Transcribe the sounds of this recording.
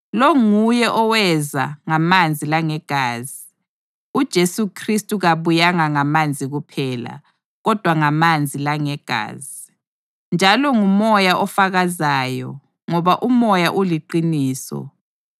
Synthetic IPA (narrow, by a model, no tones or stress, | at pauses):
lɔŋujɛʔɔwɛza̰ŋamand͡zʱilaŋɛɡ̥ʱaːzi | ud̥ʒ̥ʱesukʰristʼuɣaβujaŋaŋamand͡zʱiɣupʰɛːla̰ | ɣɔd̥ʱwaŋamand͡zʱilaŋɛɡ̥ʱa̰ːzi | nd͡ʒʱalɔŋumɔjaʔɔfaɣazaːjɔ̰ | ŋɔβaʔumɔjaʔuliǃiniːsɔ̰